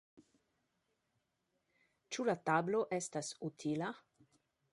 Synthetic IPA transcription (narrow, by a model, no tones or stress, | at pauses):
t͡ʃulatabloʔestasutʰila